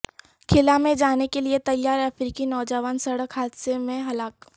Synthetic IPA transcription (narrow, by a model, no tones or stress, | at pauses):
kʰɪlamẽd͡ʒaːnekeliet̪ɐjaːɾɐfɾiːkinɔːd͡ʒəʋaːnsɐɽəkɦaːd̪semẽɦɐlaːk